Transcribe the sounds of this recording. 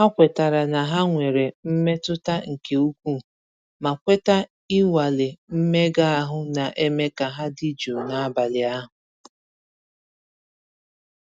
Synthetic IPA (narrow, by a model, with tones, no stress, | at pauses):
ha˦kʷe˨ta˨ɾa˨na˨ɦa˦ŋʷe˨ɾe˨m̩˦me˦tʊ˦ta˦ŋ̩˨ke˨u˦kʷu˦ | ma˨kʷe˦ta˦ | ɪ˦wa˨lɪ˨m̩˦me˦ɡa˦a˦ɦʊ˦na˨ʔe˦me˦ka˨ɦa˦di˦d͡ʒo˨na˨a˦ba˨lɪ˨a˦ɦʊ˨